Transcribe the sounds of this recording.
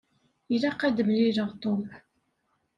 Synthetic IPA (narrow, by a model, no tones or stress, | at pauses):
ilæqæd̪əmliɾəʁt̪ˤom